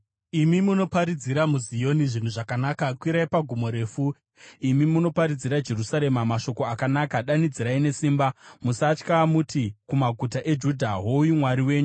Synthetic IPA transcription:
imimuno̞paɾid͡ziɾamuzijo̞niʐin̤uʐakanaːkakwiɾaipaɡʱumo̞ɾe̞ːfu | imimuno̞paɾid͡ziɾad͡ʒe̞rusaɾe̞mamaʃo̞ko̞akanakaɗanid͡ziɾaine̞siːmbamusat͡ʃkamutikumaɡʱutaʔe̞d͡ʒudʱaɦoujumwaɾiwe̞ːɲu

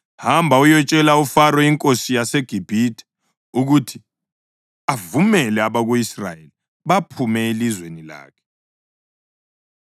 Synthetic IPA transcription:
hambʱaujɔt͡ʃʼɛlaufarɔiŋkʼosijaseɡ̥ʱib̥ʱitʰʼɛ̥ | uɣutʰi | avumɛlɛaβaɣuisra̰jeli | βapʰumɛelizwenila̰ːkʰɛ̥

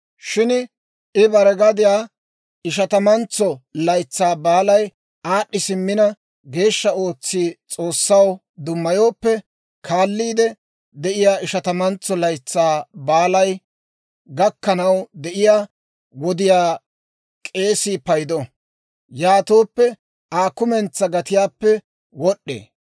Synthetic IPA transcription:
ʃɪn | ɪbɐɾɛɡɐd̪ɪjaː | ɪʃ̬ɐt̪ɐmɐnt͡sːɔlɐjt͡sːaːbaːlɐj | aːʔːɪsɪmːɪnɐ | ɡe̞ːʃːɐo̞ːt͡sːiːt͡sʼo̞ːsːɐw | d̪ʊmːɐjo̞ːpːɛ | kʰaːlːiːd̪ɛ | d̪ɛʔɪjaːɪʃɐt̪ɐmɐnt͡sːɔlɐjt͡sːaːbaːlɐj | ɡɐkːɐnɐwd̪ɛʔɪjaː | wɔd̪ɪjaː | kʼe̞ːsipɐjd̪ɔ | jaːt̪o̞ːpːɛ | aːkʊmɛnt͡sːɐɡɐt̪ɪjaːpːɛ | wɔɗʔːḛː

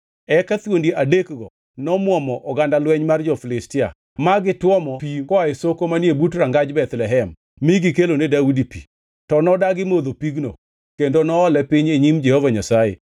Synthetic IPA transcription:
ɛkat̪wondiʔadekɡɔ | nɔmwɔmɔʔɔɡandalwɛɲmard͡ʒɔfɪlɪstɪa̰ | maɡɪtwɔmɔpikɔaesokomanjebut̬ɾaŋɡad͡ʒbɛt̪lɛɦɛmː | iɡikelonedaudipḭ | tɔnɔdaɡɪmod̪opiɡno̰ | kendonɔːlɛpɪɲeɲimd͡ʒɛhovaɲasajḛ

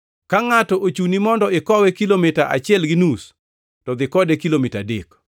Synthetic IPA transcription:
kaŋatɔʔot͡ʃunimɔndɔɪkɔwɛkilomɪtaʔa̰t͡ʃɪɛlɡɪnus | tɔd̪ɪkɔdekilomitadek

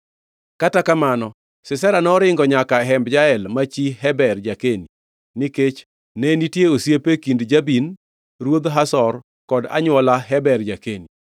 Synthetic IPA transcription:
katakamanɔ | sɪsɛɾanɔɾɪŋɡɔɲakaɦɛmbd͡ʒaɛlmat͡ʃiɦɛbɛrd͡ʒakeni | niket͡ʃ | nenitjeosjepekindd͡ʒabin | ɾwod̪ɦasɔr | kɔda̰ɲwɔlaɦɛbɛrd͡ʒakeni

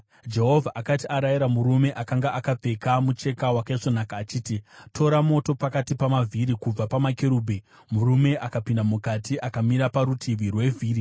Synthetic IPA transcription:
d͡ʒe̞ɦo̞vʱaʔakatiaɾajiɾamuɾume̞ʔakaŋɡaʔakap͡fe̞kamut͡ʃe̞kawakaiʂonakaːt͡ʃiːtitʰo̞ɾamo̞to̞pakatipamavʱiɾikub͡vapamakeɾuːbʱe | muɾume̞ʔakapindamukatiʔakamiɾapaɾutʰiʋirwe̞vʱiːri

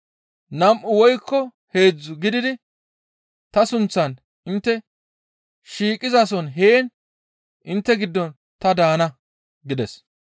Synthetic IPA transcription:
nɐmʔʊwɔjkːɔ | he̞ːd͡zːʊɡɪd̪ɪd̪ɪ | t̪ɐsʊnt͡sːɐn | ɪnt̪ːɛ | ʃiːkʼːɪzɐsɔnɦeːn | ʔɪnt̪ːɛɡɪd̪ːɔn | t̪ɐd̪aːnɐ | ɡɪd̪ɛs

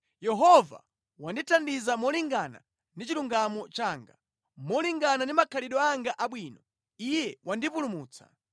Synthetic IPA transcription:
jɛɦɔva̰ | wanditʰandizamɔliŋɡana̰ | ndit͡ʃiluŋɡamɔt͡ʃaːŋɡa̰ | mɔliŋɡanandimakʰaliɗɔaŋɡaʔaɓwiːnɔ | ijɛwʔandipulumuːt͡sḁ̰

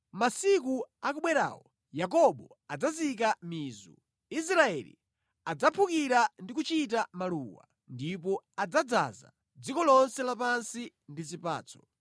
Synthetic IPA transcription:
masik̬uak̬uɓwɛɾa̰ːwɔ | jak̬ɔɓɔ | ad͡zazik̬amiːzṵ | is̬ɾaɛlḭ | ad͡zapʰukiɾandik̬ut͡ʃit̬amaluwa̰ | ndipɔad͡zad͡za̰za̰ | d͡zikɔlɔnsɛlapansi | ndizipa̰ːt͡sʰɔ̥

